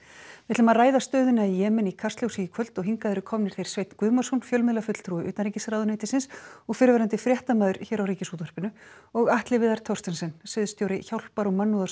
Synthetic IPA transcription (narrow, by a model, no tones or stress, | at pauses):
vɪt̪ɪlmaðraːjðast̪œːðʏnaijɛːmɛnikʰar̥st̪ljowsijɪkʰvœl̥t̪ɔɣɦiŋkaðʏɾʏkʰɔmnɪɾ̥θejɾ̥sveːjt̪nkvʏːmarsɔnfjœlmɪðlafʏt̪l̥t̪ʰɾuːɪʔʏ̰ːt̪anɾiːcɪsɾawðʏnejt̪ɪsɪnsɔɣfɪːɾvɛɾant̪ɪfɾjɛht̪amaːðʏɾ̥çɛːɾawriːcɪsuːt̪ɔr̥pɪnʏɔɣaht̪lɪvɪðaɾ̥t̪ʰɔwrst̪ɛnsɛnsɛðʏst̪joːwɾɪçawl̥paɾɔɣmanːuða